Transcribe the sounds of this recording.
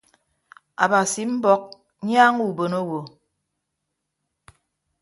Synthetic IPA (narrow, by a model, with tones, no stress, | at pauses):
a̰˨ba˨si˨m̩˦bɔ˦k̚ | ɲjaː˦ŋu˦˨bo˨no˦wo˨